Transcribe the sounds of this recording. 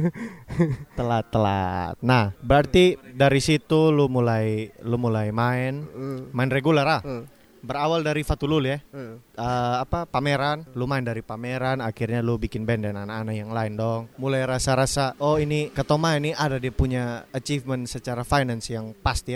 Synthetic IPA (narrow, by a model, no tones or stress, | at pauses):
t̪əlat̪ːəla̰t̪̚nahbəɾart̪idaɾisit̪ulumulajlumulajmaɪnmaɪnreɡulaɾa | bəɾawaldaɾifat̪ululuɛəapapameɾanlumaɪndaɾipameɾanakirɲalubikɪnbɛndɛnanakanaʔjaŋlaɪndɔŋmulajɾasaɾasaʔoinikat̪awmaɪnːiadadiapuɲaat͡ʃifmənsət͡ʃaɾafajnansjaŋpast̪ia